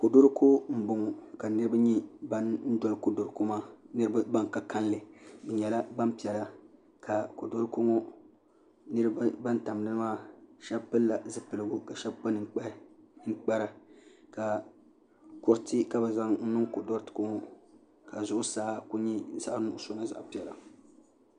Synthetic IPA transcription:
ko˨do˦ɾkʰo˦m̩˦bʊ˨ŋ˨ka˨nɨ˦ɾɨ˦ba˦ɲi˦ba˦nn̩˦dɔ˨lko˦do˨ɾko˦maː˦nɨ˦ɾɨ˦ba˦ba˦ŋ˨ka˦ka˦n˦lɨ˨bɛ˨ɲɛ˨la˦ba˦m˦pi˨ɛ˨la˦ | ka˨ko˨do˦ɾɨ˦ko˦ŋo˦ | nɨ˦ɾɨ˦bba˦n˦ta˨m˨dɨ˦nɨ˦maː˦ʃɛ˦bpɨ˦lːa˨zɨ˦pɨ˨lɨ˨ɡu˦ka˨ʃɛ˦bk͡pa˦nɨ˨ŋ˦k͡pa˦ŋ̩˦k͡pɛ˦ɾa˨ka˨ | kʊ˨ɾti˦ka˦bɛ˨za˦ŋn̩˦nɨ˦ŋko˨do˦ɾtko˦ŋo˦ | ka˨zʊ˦ʔʊ˦saː˦ku˦ɲi˦˨za˦ʔnʊ˦˨ʔʊ˨˦so˦na˦za̰˨ʔpi˨ɛ˨la̰˨

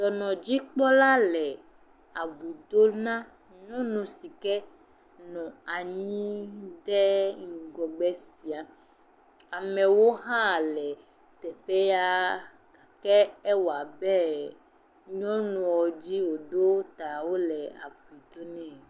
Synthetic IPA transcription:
dɔ˨nɔ̃˨d͡ʑi˦k͡pɔ˦la˦lɛ˨ | a˨bu˨d̪o˦nã˦ | ɲɔ̃˦nũ˨si˨kɛ˦ | nɔ̃˨a˨ɲĩ˦dɛ˦ŋ̩˨ɡɔ˨ɡ͡bɛ˦si˨a˨ | a˨mɛ̃˨wo˦ɦã˦˨lɛ˨ | t̪ɛ˨ɸe˦ja˦˨ | kɛ˦ɛ˦wa˨bɛ˦ | ɲɔ̃˦nũ˨wɔ˨d͡ʑi˦wo˨d̪o˦t̪a˨wo˦lɛ˨a̰˨bu˨i˨d̪o˦nɛ̃˦˨

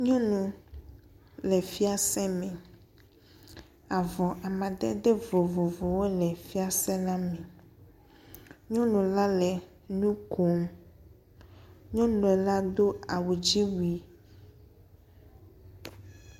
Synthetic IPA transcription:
ɲɔ̃˦nũ˨ | lɛ˨fi˦a˦sɛ˦mɛ̃˨ | a˨vɔ˨ʔa˨mã˨ɖɛ̰˦ɖe˦vo˨vo˨vo˨wo˦lɛ˨fi˦a˨sɛ̃˦la˦mɛ̃˨ | ɲɔ̃˦nũ˨la˦lɛ˨ | nũ˦kʰo˦m | ɲɔ̃˦nũ˨e˨la˦d̪o˦a˨wu˨d͡ʑi˦wi˨

